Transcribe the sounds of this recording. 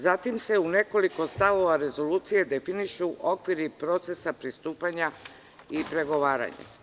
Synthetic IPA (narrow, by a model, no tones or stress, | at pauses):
zat̪imse̞une̞ko̞liko̞st̪aʋo̞ʋaɾe̞zo̞luːt̪sije̞d̪e̞finiʃuʔo̞kʋiɾipɾo̞t̪se̞sapɾist̪uːpaɲa | ipɾe̞ɡo̞ʋaːɾa̰ɲa̰